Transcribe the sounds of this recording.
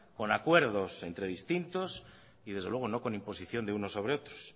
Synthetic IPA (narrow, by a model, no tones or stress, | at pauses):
ko̞nakweɾðose̞nt̪ɾeðist̪int̪os | iðe̞zðelweɣo̞no̞ko̞nimpo̞siθjo̞nd̪eunosːo̞β̞ɾeot̪ɾos